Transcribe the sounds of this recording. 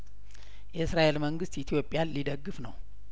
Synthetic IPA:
jɛɨsɾaʔelməŋɡɨst̪it̪ʰijo̞pʼːjanlid̪əɡːɨfnəw

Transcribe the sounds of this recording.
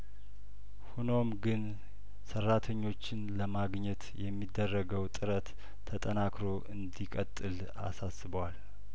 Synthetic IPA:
huno̞mɡɨn | sərːat̪ʰəɲːo̞t͡ʃːɪnləmaɡɲɛt̪jɛmːid̪ːərːəɡəwt̪ʼɨɾət̪ʰː | ət̪ʼənakɾo̞ʔɨnd̪ikʼət̪ʼːɨl | a̰sasɨbwal

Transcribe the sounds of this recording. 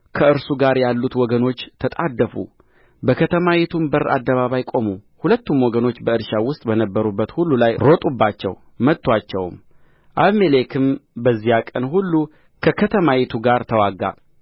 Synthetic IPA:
kʰəɨɾsuɡaɾjalːut̪wɔɡəno̞t͡ʃːt̪ʰət̪ʼad̪ːəfṵ | bəkʰət̪ʰəmajit̪ʰumbəɾa̰d̪ːəβaβajkʼo̞muhulət̪ːumwɔɡəno̞t͡ʃːbəɨɾʃawʊst̪ʼbənəbːəɾubːət̪hulːulajɾo̞t̪ʼubːat͡ʃːɛ̰w | mət̪ʼːwat͡ʃːɛwm | ʔaβmelekʰɨmbəzːijakʼənhulːu | kʰəkʰət̪ʰəmajɛt̪ʰuɡaɾt̪ʰəwaɡa̰

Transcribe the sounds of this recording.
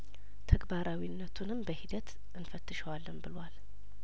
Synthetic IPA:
t̪ʰəɡbaɾawinːət̪ʰunɨmbəhid̪ət̪ | ʔɨnfət̪ːɨʃəwalːɨmbɨlwal

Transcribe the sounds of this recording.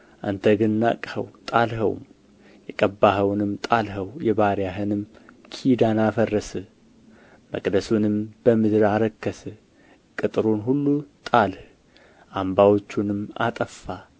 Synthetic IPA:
ʔa̰nt̪ʰəɡɨnːa̰kʼhə̰wt̪ʼalɦə̰w̰m | jɛkʼəbaɦəwnɨmt̪ʼalɦəwjɛβaɾijaɦɨnɨmkʰid̪anafərːəsɨ | mə̰kʼd̪əsunɨmb̥əmɨd̪ɨɾaɾəkːəsɨ | kʼɨt̪ʼɨɾunɦulːut̪ʼalh | ʔambawo̞t͡ʃːunɨma̰t̪ʼəfːa

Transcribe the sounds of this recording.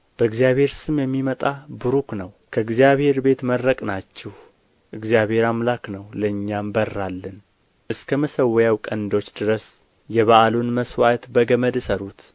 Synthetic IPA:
b̥əɨɡzijaβhe̞ɾsɨmjɛmːimət̪ʼabɨɾuknəw | kʰəɨɡzijaβhe̞ɾbe̞t̪məɾːəkʼnat͡ʃːɛh | ʔɨɡzijaβhe̞ɾamlaknəwləɨɲːambərːalːɨn | ʔɨskʰəməsəwɛjawkʼənd̪o̞t͡ʃːd̪ɨɾəs | jɛβaʔalunməswat̪bəɡəməd̪səɾut̪

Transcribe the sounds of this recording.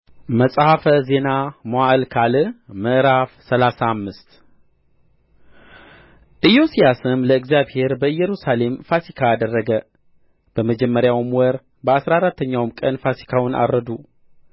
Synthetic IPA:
məsʼhafəze̞namoaʔlkʰalɨməʔɾafsəlasaːmːɨst̪ | ʔɨjo̞sijasɨmləɨɡzijaβhe̞ɾbəɨjːɛɾusale̞mfasikʰaːd̪ərːəɡə | b̥əməd͡ʒɛmːəɾjawmwɔɾ | bəasɾaɾat̪ʰːəɲːawmkʼənfasi̥kʰawnʔa̰ɾːəd̪u

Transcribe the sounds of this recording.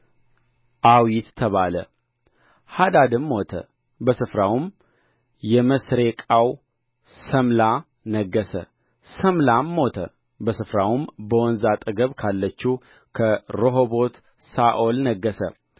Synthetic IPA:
ʔawit̪ːʰəβalə̰ | had̪ad̪ɨmːot̪ʰə̰ | bəsɨfɾawm | jɛməsɾekʼaw | səmla | nəɡːəsə̰ | səmlamːo̞t̪ʰə̰ | bəsɨfɾawmbəwɔnzat̪ʼɨɡəβkʰalːət͡ʃːu | kʰəɾoɦobot̪ | saʔolnəɡːəsə̰

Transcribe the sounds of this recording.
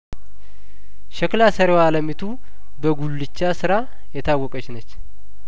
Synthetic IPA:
ʃɛklasəɾewaləmit̪ʰu | bəɡulːɨt͡ʃːasɨɾa | jɛt̪ʰawːɔkʼət͡ʃɪnət͡ʃː

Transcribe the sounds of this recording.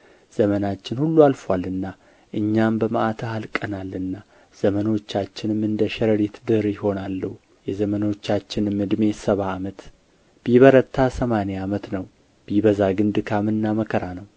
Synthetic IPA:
z̥əmənat͡ʃːɪnhulːualfwalːɨnːa | ʔɨɲːambəməʔat̪ʰəhalkʼənalːɨnːa | z̥əməno̞t͡ʃːat͡ʃːɪnɨmːɨnd̪əʃɛɾəɾet̪d̪ɨɾjɪho̞nalːəhu | jɛzəməno̞t͡ʃːat͡ʃːɪnɨmːɨd̪me̞səβaːmət̪ | b̥iβəɾət̪ʰːasəmaneamət̪nəw | b̥iβəzaɡɨnd̪ɨkʰamɨnːaməkʰəɾanəw

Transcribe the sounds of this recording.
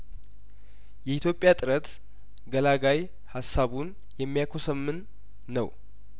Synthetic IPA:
jɛit̪jo̞pʼjat̪ʼɨɾət̪ | ɡəlaɡaj | hasːaβun | jɛmːijakʰosəmːɨnː | əw

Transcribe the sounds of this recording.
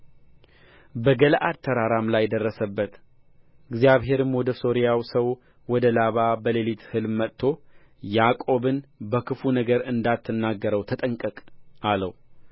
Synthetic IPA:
bəɡəlʔad̪t̪ʰːəɾaɾamlajɛd̪ərːəsəbːət̪ | ɨɡzijaβɦe̞ɾɨmwɔd̪əso̞ɾijawsəw | wɔd̪əlaβabəlelit̪hɨlmət̪ʰːo̞ | jakʼo̞bɨnbəkʰɨfunəɡəɾɨnd̪at̪ʰːɨnːaɡːəɾəwt̪ʰət̪ʼəŋkʼəkʼaləw

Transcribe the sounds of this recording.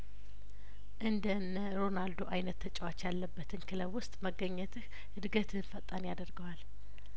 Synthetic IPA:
ʔɨnd̪ənəɾo̞nald̪oʔajnət̪ʰːət͡ʃʼəwat͡ʃjalːəbːət̪ʰɨnkʰɨləβwʊst̪ʼməɡəɲːɛt̪ʰɨh | ɨd̪ɡət̪ʰɨnfət̪ʼːanjad̪əɾɡəwal

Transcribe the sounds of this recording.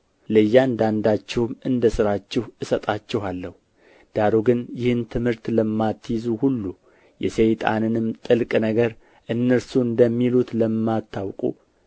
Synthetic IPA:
ləjːand̪and̪at͡ʃːɛwmɨnd̪əsɨɾat͡ʃːɛhɨsət̪ʼat͡ʃːɛɦalːəhu | d̪̥aɾoɡɨnjɪhɨnt̪ʰɨmhɨɾt̪ləmːat̪ːjizuhulːu | jʔɛsejt̪ʼa̰nɨnɨmt̪ʼɨlkʼnəɡəɾ | ʔɨnːəɾsuɨnd̪əmːilut̪ləmːat̪ʰːawkʼṵ

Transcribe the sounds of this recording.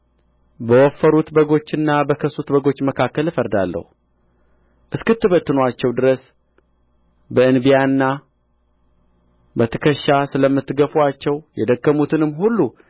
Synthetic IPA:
bəwɔfːəɾut̪bəɡo̞t͡ʃːɨnːabəkʰəsut̪bəɡo̞t͡ʃːməkʰakːəlɨfəɾd̪alːə̰hu | ʔɨskɨt̪ːɨβət̪ːɨnoat͡ʃːɛwd̪ɨɾəs | bəɨnbijaɨnːa | bət̪ʰɨkʰəʃːasɨləmːɨt̪ːɨɡəfuat͡ʃːɛwjɛd̪əkːəmut̪ʰɨnɨmːɦulːu

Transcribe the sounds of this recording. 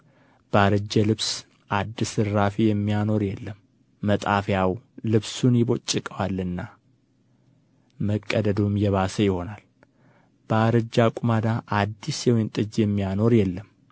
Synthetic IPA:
b̥əaɾɨd͡ʒːəlɨβs | ʔad̪ːɨsɨɾːafijɛmːijano̞ɾjɛlːəmː | ət̪ʼafjawlɨβsunjɪβo̞t͡ʃʼːɨkʼəwalːɨnːa | məkʼːəd̪əd̪omjɛβasəjɪho̞nal | b̥əaɾɨd͡ʒːakʼumad̪aʔad̪ːisjɛwɪnt̪ʼɨd͡ʒjɛmːijano̞ɾjɛlːəm

